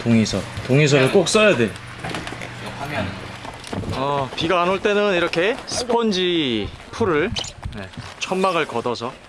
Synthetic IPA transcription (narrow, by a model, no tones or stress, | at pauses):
toŋisʰʌtoŋis̬ʰʌɾɯɭk͈ok̚s͈ʌjadwe̞ | ʌpiɡaːnoɭt͈e̞nɯniɾʌkʰe̞sʰɯ̥pʰʌnd͡ʑipʰuɾɯɭne̞̰t͡ɕʰʌmmaɡɯɭkʌdʌsʰʌ